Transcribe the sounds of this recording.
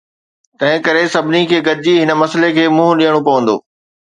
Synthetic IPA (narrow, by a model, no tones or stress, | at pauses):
t̪ɐ̃ɦɪ̃kɐɾesɐbʱɪnikʰeːɡɐd̪ʱɪd͡ʑiɦɪnə̆mɐsəlekʰeːmʊ̃ɦɗĩəɽ̃opɐʋə̃nd̪o̰ː